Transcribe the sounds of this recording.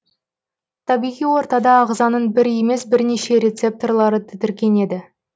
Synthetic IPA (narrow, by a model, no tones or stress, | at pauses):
t̪ʰɑbijʁijwo̞ɾt̪ɑd̪ɑːʁzɑnəɴbɪɾe̞me̞sbɪɾneʃe̞ɾʲe̞t̪sep̚t̪o̞rlˠɑɾət̪ʰɪd̪ɪɾkʲe̞ne̞d̪ɪ